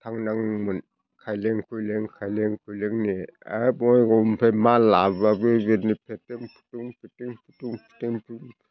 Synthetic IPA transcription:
tʰaŋnaŋmɯn | kʰajleŋkʰujleŋkʰajleŋkʰujleŋnia̰bɔjɡɔmpʰemalababɯɡenipʰeteŋpʰu̥tuŋpʰeteŋpʰutuŋpʰi̥teŋpʰŋ

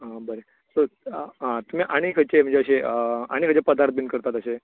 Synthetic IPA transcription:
ɦãbəɾe | soɦãt̪um̤iːʔaɽ̃ikʰət͡ɕem̤ənd͡zeəɕeəa̰ɽ̃ikʰət͡ɕepəd̪aɾt̪̚binkəɾt̪at̪əɕe

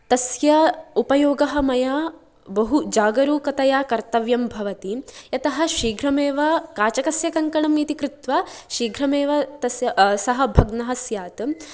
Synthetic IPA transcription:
t̪ɐsjɐupɐjoːɡɐɦɐmɐjaː | bɐɦud͡ʒaːɡɐɾuːkɐt̪ɐjaːkɐɾt̪ɐʋjɐmbʱɐʋɐt̪ijɐt̪ɐɦɐ̆ʃiːɡʱɾɐmeːʋɐkaːt͡ʃɐkɐsjɐkɐŋkɐɳɐmit̪ikɾut̪ʋaʃiːɡʱɾɐmeːʋɐt̪ɐsjɐsɐɦɐ̆bʱɐɡnɐɦɐsjaːt̪

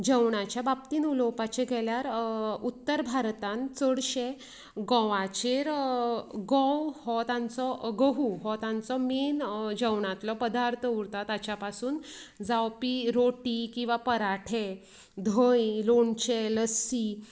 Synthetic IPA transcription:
d͡ʑəwɳat͡ɕjabap̚t̪iːnulɔwpat͡ɕeɡʱɛljaɾut̪ːəɾbʱaɾt̪ãnt͡səɽɕe | ɡɔ̃ʋat͡ɕeɾ | ɡɔ̃whɔt̪ãnt͡sɔɡəɦuɦɔt̪ãnt͡sɔmiːnd͡ʑəwɳãt̪lɔpəd̪aɾt̪ʰəuɾt̪at̪at͡ɕjapasuːnd͡zawpiɾoʈikĩw̃ʋapəɾaʈʰe | d̪ʱəjloɳt͡ɕeləsi

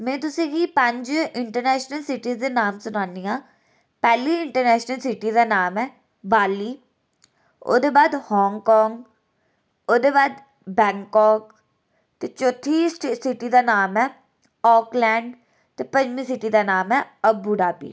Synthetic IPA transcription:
mɛ̃ːt̪ʊsĩːɡiːpəɲd͡ʒɪɳʈəɾnɛːʃnəlsɪʈiːzd̪eːnaːmsʊnaːniːãː | pɛːliːɪɳʈəɾnɛːʃnəlsɪʈiːd̪aːnaːmɛː | baːliː | o̰ːd̪eːbaːd̪hɔːŋɡkɔːŋɡ | oːd̪eːbaːd̪ | bɛ̃ːŋkɔːk | t̪eːt͡ʃoːt̪ʰːiːsɪʈiːd̪aːnaːmɛː | ɔːklɛːɳɖ | t̪eːpəɲd͡ʒmĩːsɪʈiːd̪aːnaːmɛːəbuɖaːbḭː

